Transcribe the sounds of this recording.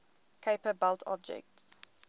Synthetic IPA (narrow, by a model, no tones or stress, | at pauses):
kʰeɪpəbɛltʰɔ̰b̚d͡ʒɛ̰k̚ts